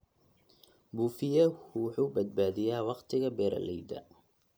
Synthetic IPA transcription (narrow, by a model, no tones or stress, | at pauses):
buːfɪjɐhħuːbɐd̪̚baːðɪjaːwɑqt̪ʰɪɣɐbɛːɾʔɐ̰lɛjd̪ɐ̰